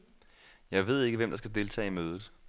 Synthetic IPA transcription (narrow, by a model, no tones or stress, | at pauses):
jɑ̈ɪʋe̝ð̞̰ˠe̝ɡ̥əʋem̰d̥ɑ̈sɡ̥æd̥e̝lt͡sʰɛ̰ːimøːð̞ˠð̩ˠ